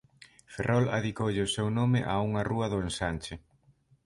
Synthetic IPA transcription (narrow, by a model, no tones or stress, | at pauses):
ferʔɔla̰ðikowʎɪʊsewnomɪʔauŋɐruɐðʊensanʲt͡ʃɪ